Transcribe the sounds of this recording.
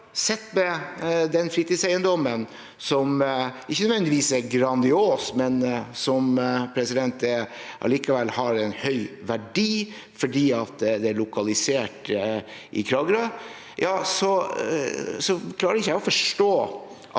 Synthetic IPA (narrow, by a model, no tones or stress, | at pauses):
sɛt̪ːmɛd̪ɛnfɾiːt̪ɪsæɪənd̪ɔmən | sɔmɪçːənœʋɛnɪʋiːsæɾɡɾɑnd̪ɪoːsmɛnsɔmpʰɾɛsɪd̪ɛnt̪ɛʔɑ̰likɑʋɛlːhɑɾɛnhœʏʋæɖiː | fɔɖiːɑt̪d̪ɛæɭʊkʰɑlɪseːʈ | ʔɪ̰kʰɾɑːɡəɾɑ | jɑːsɔ | sɔkʰlɑːɾəɾɪçːəjæɪɔfɔʂʈoː | ʔɑ